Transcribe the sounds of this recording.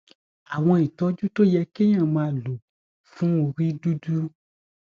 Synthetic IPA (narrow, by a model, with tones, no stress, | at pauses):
a˨w̃ɔ̃˧i˨tɔ˨˦d͡ʒu˦to˦jɛ˧kẽ˦ã˦˨mãː˧˦lo˨ | fũ˦o˧ɾi˦du˦du˦